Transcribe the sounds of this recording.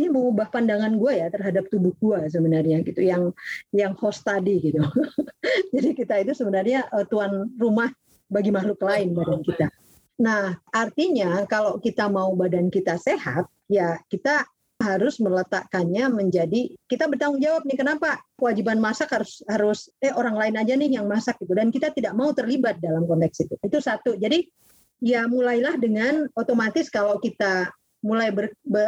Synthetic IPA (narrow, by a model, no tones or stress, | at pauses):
niməŋubahpandaŋanɡuajat̪ərɦadap̚t̪ubʊhɡuas̬əbənarɲaɡit̪ujaŋjaŋhost̪adiɡit̪u | d͡ʒadikit̪ait̪usəbənarɲaʔət̪uanrumah | baɡimaɦlʊklaɪnbadankit̪a | nahʔart̪iɲakalokit̪amaubadankit̪aseɦa̰t̪̚jakit̪a | ɦaɾʊsmələt̪a̰ʔkanɲaməɲd͡ʒadikit̪abərt̪aŋʊŋd͡ʒawap̚nɪkənapakəwad͡ʒibanmasakhaɾʊshaɾʊsɛoɾaŋlaɪnad͡ʒanɪhjaŋmasak̚ɡit̪udankit̪at̪idaʔ̚maut̪ərlibat̪̚dalamkɔnt̪ɛk̚sit̪uit̪usat̪ud͡ʒadi | jamulajlahdəŋanot̪omat̪ɪskalawkit̪a | mulajbərbə